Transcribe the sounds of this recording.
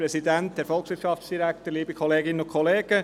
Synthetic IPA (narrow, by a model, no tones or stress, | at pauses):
ɾɛsidænt̪dɛɾfɔlˠksʋɪɾtʃɑft͡sd̥iɾæktəɾliːbəkʰχoleːɡɪnənʊkʰχɔleːɡ̥ə